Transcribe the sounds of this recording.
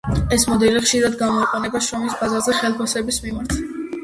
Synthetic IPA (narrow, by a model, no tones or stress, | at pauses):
ɛsmɔd̪ɛliχʃiɾad̪ɡamɔiqʼɔnɛbaʃɾɔmisbazaɾzɛχɛlˠpʰasɛbismimaɾt̪ʰ